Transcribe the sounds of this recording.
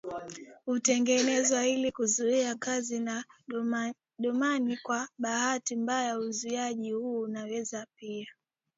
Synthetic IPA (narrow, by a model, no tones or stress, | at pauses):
hutɛŋɡɛnɛzwailikuzuiakazina | ɗɔmanikwaɓahatimbajauzuiaʄihuːnawɛzapia